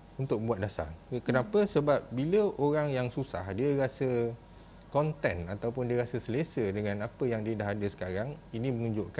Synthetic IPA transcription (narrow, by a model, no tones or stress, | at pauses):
unt̪ʊk̚buat̪̚dasa̰rkənapəsəbap̚biləʔoɾaŋjaŋsusa̰hdiəɾasə | kɔnt̪ɛnat̪awp̬ʊndiəɾasəsəlesədəŋãnapəjaŋdiədaɦadəsə̥kaɾaŋinĩmənũɲd͡ʒoʔka